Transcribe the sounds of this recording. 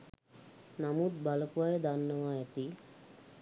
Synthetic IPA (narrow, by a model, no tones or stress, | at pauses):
namut̪̚baləpuʋajəd̪anːəʋaɛt̪i